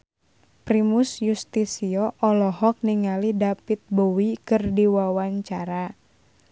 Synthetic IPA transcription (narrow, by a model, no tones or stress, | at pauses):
pɾimusjust̪isiɔʔɔlɔɦɔk̚niŋalidapit̪̚bowikɨrdiwawaɲt͡ʃaɾa